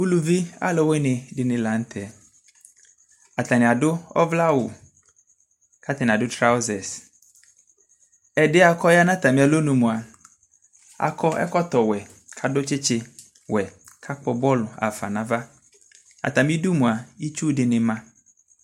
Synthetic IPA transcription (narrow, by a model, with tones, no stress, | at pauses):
u˦lu˨vi˦a̰˦lɔ˨we˦nɪ̃˨dɪ˨nɪ̃˨la˨n̩˦t̪ʰɛ˨ | a˨ta˨nɪ̃˨a˨dʊ˦ɔ̰˦vla˦wʊ̰˨ | kʰa˦t̪ɪ˨n˨a˨dʊ˦tɾa˦o˦zɛ˨s | ɛ˨dɪ˦a˨kʰɔ˦ja˦nã˦t̪a˨mĩ˦a˨lo˦nũ˨mũ˨a˨ | a̰˨kʰɔ˦ɛ̰˦kɔ˦t̪ɔ˨wɛ˨ | kʰa˨dʊ˦t͡ʃɪ˦t͡ʃɪ˨ | wʔɛ˨ | kʰa˦k͡pɔ˨bɔ˦lʊ˨a̰˨fa˨nã˨va˦ | a̰˨t̪a˨mĩ˦du˦mũ˨a˨i˦t͡ʃu˦dɪ˨nɪ̃˨mã˦